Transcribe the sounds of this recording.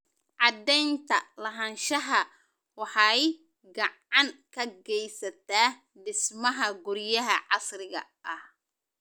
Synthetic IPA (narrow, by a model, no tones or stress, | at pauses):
ʕɑd̪ɛjnt̪ʰɐlɐɦɐnʃɐɦɐ | wɑħɑj | ɡɐʕɑŋkʰɐɡɛjsɐt̪ʰaː | ɖɪsmɐɦɐɡʊɾjɐɦɐʕɑsrɪɣɐ̰ʔɐh